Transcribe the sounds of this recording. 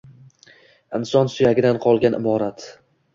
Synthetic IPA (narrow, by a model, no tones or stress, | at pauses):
ɪnsɒnsʊjaɡʲɪd̪anqʰɒlˠɡʲanʔɪ̰bɒɾat̪